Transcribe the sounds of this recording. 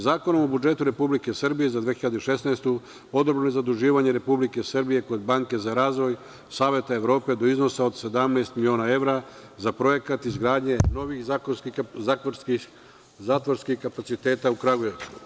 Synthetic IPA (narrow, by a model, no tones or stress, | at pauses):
zaːkonomobud͡ʒe̞t̪uɾe̞publike̞sr̩bije̞zad̪ʋexiʎad̪eiʃe̞sneːst̪u | o̞d̪obɾenojezad̪uʒiːʋaɲeɾe̞publike̞srbije̞ko̞d̪̚baŋke̞zaɾaːzʋo̞j | saːʋje̞t̪ae̞ʋɾo̞ːpe̞d̪o̞izno̞sao̞d̪se̞d̪amnaːst̪milio̞ːnae̞ʋɾa | zapɾo̞je̞kat̪izɡɾaːd̪ɲe̞no̞ʋixakoskiai | zaːt̪ʋoɾskixkapat̪sit̪e̞ːt̪aukɾaɡojesu